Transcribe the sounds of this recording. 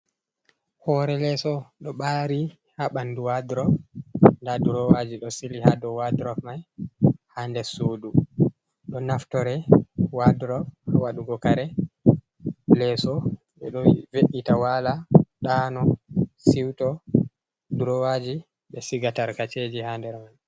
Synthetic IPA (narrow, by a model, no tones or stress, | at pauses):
hɔɾɛlɛsɔɗɔɓaɾi | haɓanduwadɾɔfndaduɾɔwad͡ʒiɗɔsilihadɔwadɾɔfmajhandɛsoːdu | ɗɔnaftɔɾɛwadɾɔfhawaɗuɡɔkaɾɛ | lɛsɔ | ɓɛɗɔveʔitawalaɗanɔsiwtɔ | duɾɔwad͡ʒi | ɓɛsiɡataɾkat͡ʃed͡ʒihandɛɾman